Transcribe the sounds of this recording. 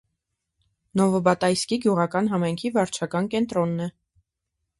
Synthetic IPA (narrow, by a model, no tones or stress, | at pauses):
nɔvəbɑt̪ɑjskiɡjuʁɑkɑnɦɑmɑjŋkʰivɑɾt͡ʃʰɑkɑnkɛnt̪ɾɔnːɛ